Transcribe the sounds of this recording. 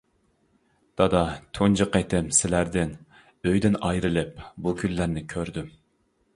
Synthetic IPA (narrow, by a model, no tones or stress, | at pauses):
d̪̥ɑd̪ɑt̪ʰond͡ʒɨqet̪ʰɪmsɪlæɾd̪ɪn | øjd̪ɪnɑjɾɨlˠɨp̚bukʲʰynːæɾnɪkʲʰøɾd̪ym